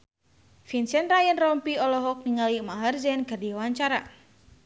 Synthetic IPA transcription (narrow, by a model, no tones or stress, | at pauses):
finsɛnrajənrɔmpiɔlɔɦɔk̚niŋalimaɦarzɛnkardiwaɲt͡ʃaɾa̰